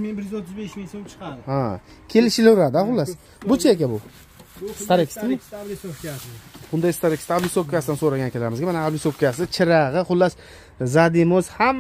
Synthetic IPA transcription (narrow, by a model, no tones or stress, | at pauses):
menbɪɾjyzot̪ʰːɪzbeʃmesot͡ʃʰqad̪hakʲʰe̞lɪʃɪlɪɾad̪ɪhaχʊlːas | bʊt͡ʃʰaekʲabʊ | st̪aɾekʲsmsokabʊnd̪ajst̪aɾekʲst̪ʰablɪsop̚kʲʰasɪd̪ansoɾaɡʲankʰʲelaɾɪmɪzɡʲamanaablɪsopkʲʰasɪt͡ʃʰɪɾaʁɨχʊlːas | zad̪ɪmʊzham